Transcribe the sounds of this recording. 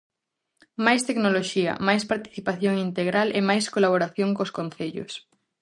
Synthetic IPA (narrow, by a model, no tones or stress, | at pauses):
majst̪eknoloʃiɐ̰majspaɾt̪i̥θipaθjoŋint̪eɣɾalemajskolaβoɾaθjoŋkoskon̟θeʎʊ̰s